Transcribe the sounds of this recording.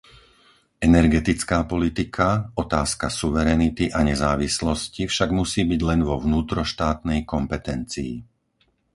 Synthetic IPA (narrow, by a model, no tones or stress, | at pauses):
ɛnɛɾɡɛt̪it͡skaːpɔlit̪ikʰaɔt̪aːskasuʋɛɾɛnit̪iʔaɲɛzaːʋislɔscifʃaɡmusiːbiɟlɛnʋɔʋnuːt̪ɾɔʃt̪aːt̪nɛjkɔmpɛt̪ɛnt͡sḭː